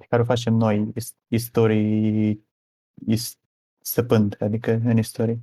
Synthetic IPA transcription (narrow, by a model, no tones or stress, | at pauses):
kaɾofat͡ʃe̞mno̞js | ist̪oɾij | is | st̪əpɨnd̪ad̪ikəɨnist̪oɾi